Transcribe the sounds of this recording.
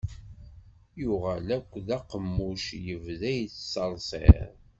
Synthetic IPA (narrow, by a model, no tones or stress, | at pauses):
jʊʁælækʷːðæqəmːʊʃjəvðæjt͡sːsɑlsˤḛɾ